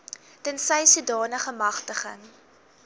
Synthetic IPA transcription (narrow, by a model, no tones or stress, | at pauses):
d̥ənsəjsudɑːnəχəmɐχtəχə̰ŋ